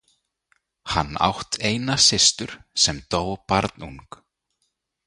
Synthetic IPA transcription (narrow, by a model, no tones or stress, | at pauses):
ha̰nːa̰wht̪ʰeːjnasɪst̪ʏɾ̥sɛmt̪oːwpaɾt̪nuŋk